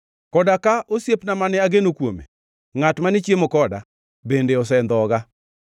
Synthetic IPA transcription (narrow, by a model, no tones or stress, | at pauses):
kɔdakaʔosjepnamanɪaɡenokwomḛ | ŋatmanɪt͡ʃjemokɔda̰ | bendeɔs̬ɛnd̪ɔɡa